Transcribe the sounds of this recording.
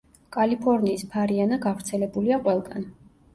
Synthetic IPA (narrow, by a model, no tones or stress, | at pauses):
kʼalipʰɔɾniːspʰaɾianaɡavɾt̪sʰɛlɛbuliaqʼwɛlˠɡan